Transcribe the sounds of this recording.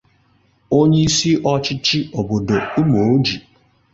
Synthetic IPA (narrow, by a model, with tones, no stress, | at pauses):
o˦ɲe˦i˦si˦ʔɔ˦t͡ʃɪ˦t͡ʃi˦o˨bo˨do˨˦mo˨o˦d͡ʒi˨